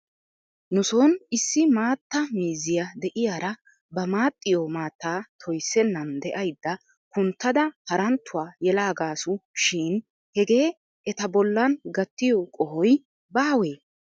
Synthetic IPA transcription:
nʊsonɪsːɪmaːt̪ːɐmiːzɪjɐd̪ɛʔɪjaːɾɐ | bɐmaːt̪ʼːɪjomaːt̪ːaːt̪ʰɔjsːɛnːɐnd̪ɛʔɐjd̪ːɐ | kʊnt̪ːɐd̪ɐhɐɾɐnt̪ːʊwaːjɛlaːɡaːsʊʃiːn | hɛɡe̞ː | ɛt̪ɐbɔlːɐnɡɐt̪ːɪjɔkʼɔhɔj | baːweː

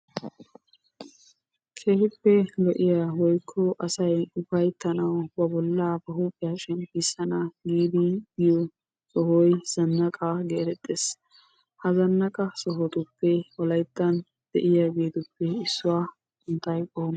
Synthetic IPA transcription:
kʰe̞ːfʊpːɛlɔʔɪjaːwɔjkʰːɔʔɐsɐjʊbɐjt̪ːɐnɐwbɐbɔlːaːbɐɦuːpʼːɪjaːʃɛnpisɐnaɡiːd̪ɪɡɪjɔ | sɔhɔjz̥ɐnːɐkʼaɡeːɾɛt̪ʼːeːs | hɐzɐnːɐkʼɐsɔɦɔt̪ʊpːɛɔlɐjt̪ːɐn | d̪̥ɛʔɪjaːɡe̞ːt̪ʊpːɛɪsːʊwaː | ʊnt̪ɐjkʼɔːn

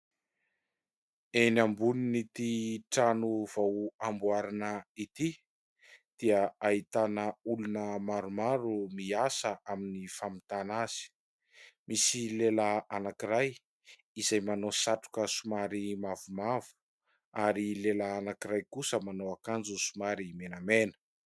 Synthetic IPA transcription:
enambuninit̪iʈ͡ʂanuv̥awambwaɾanəit̪i | d̪̥iəait̪anəulunəmaɾumaɾumiasəʔaminifamit̪anaz̥i̥ | misilelaanakiɾaj | izajmanosaʈ͡ʂu̥kəsumaɾimavumavu̥ | aɾilelaːnakiɾajkusəmanoakand͡zusumaɾimenamenə̥

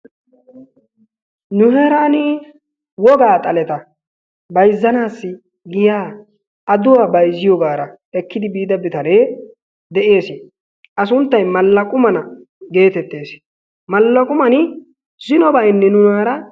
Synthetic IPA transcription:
nʊhɛɾaːnɪ | wɔɡaːt̪ʼɐlɛt̪ɐ | bɐjzːɐnaːsːɪ | ɡɪjaː | ɐd̪ʊwaːbɐjzɪjɔɡaːɾɐ | ɛkːɪd̪ɪbiːd̪ɐbɪt̪ɐneː | d̪ɛʔe̞ːsɪ | ʔɐs̬ʊnt̪ːɐjmɐlːɐkʼʊmɐnɐ | ɡe̞ːt̪ɛt̪ːe̞ːs | mɐlːɐkʼʊmɐnɪ | zɪnɔbɐɪnːɛnʊnaːɾɐ

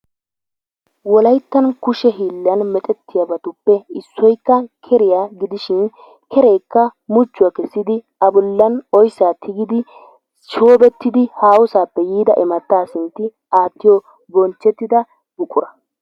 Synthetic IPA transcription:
wɔlɐjt̪ːɐnkʊʃɛɦiːlːɐnmɛt̪ʼɛt̪ːɪjɐbɐt̪ʊpːɛɪsːɔjkːɐkʰɛɾɪjaːɡɪd̪ɪʃɪn | kʰɛɾejkːɐmʊt͡ʃːʊɐkɛsːɪd̪ɪ | ɐbʊlːɐnɔjsːaːt̪ʰɪɡɪd̪ɪ | ʃoːbɛt̪ːɪd̪ɪhaːwʊsaːpːɛjiːd̪ɐʔɪmɐt̪ːaːsɪnt̪ːɪ | aːt̪ːɪjɔ | bɔnt͡ʃːɛt̪ːɪd̪ɐ | ɡʊkʼʊɾɐ

